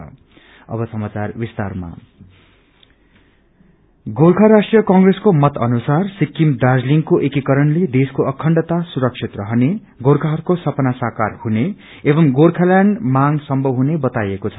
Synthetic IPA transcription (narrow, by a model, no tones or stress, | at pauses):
ʌ̰bʌsʌmat͡sarbist̪a̰rma̰ | ɡorkʰaɾasʈrijʌkʌŋɡreskomʌt̪ʌnusarsikːimd̪ad͡zliŋkoʔekikʌɾʌnled̪eskoʔʌkʰʌɳɖʌt̪asuɾʌksʰit̪rʌɦʌne | ɡorkʰaɦʌtkosʌpʌnasakarhuneː | bʌmɡorkʰaljaɳɖmaŋsʌmbʱʌwɦunebʌt̪ajekot͡sʰʌ̥